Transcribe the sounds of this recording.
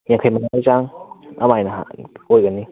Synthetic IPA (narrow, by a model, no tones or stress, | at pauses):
jaŋkʰajmaŋajzaŋamajnaɦa̰ojɡani